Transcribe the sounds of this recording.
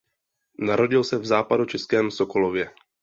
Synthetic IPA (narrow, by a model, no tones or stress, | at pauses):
naɾo̞ɟɪlsɛvzaːpadut͡ʃɛskɛːmsoko̞lovjɛ